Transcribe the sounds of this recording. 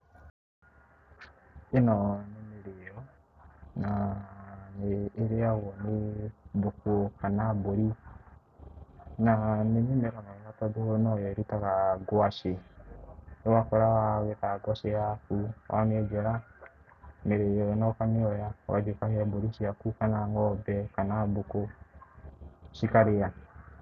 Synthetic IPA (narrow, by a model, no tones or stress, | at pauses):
enɔnemeɾejɔ | naneːɾeawɔnebokuokanaboɾi | nanemimekamaiatɔdonɔjɔɾitakaɡwaʃe | ewakɔɾawawɛtaaɡwaʃejakuwa̰mɛd͡ʒɛɾa | meɾejɔnɔkamiɔjawa̰d͡ʒekaheaboɾiʃiakukanaŋɔbɛkanaboko | ʃikaɾeja